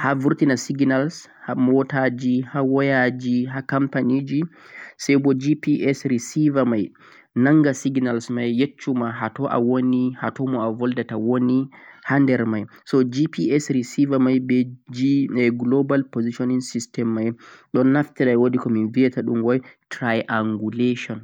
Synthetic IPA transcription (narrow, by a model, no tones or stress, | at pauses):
havuɾtinasiɡnals | hamɔtad͡ʒihawɔjad͡ʒiɦakampanid͡ʒi | sɛjbɔd͡ʒipiʔɛsɾisivamaj | naŋɡasiɡnalsmajːet͡ʃːumaɦatɔʔa̰wonihatɔmɔavɔldatawonihandɛɾmaj | sɔd͡ʒipiɛsɾisivamajbɛd͡ʒiɛɡlobalpoziʃɔniŋsistɛmːajɗɔnːaftɛɾajwodikɔminviɛtaɗumwɔjtɾajʔaŋɡuleʃɔn